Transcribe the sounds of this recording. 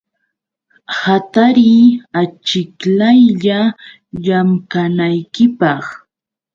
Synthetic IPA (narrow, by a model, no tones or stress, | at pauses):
hat̪aɾiːat͡ʃɪklajʎa | ʎamkanajkɪpɑχ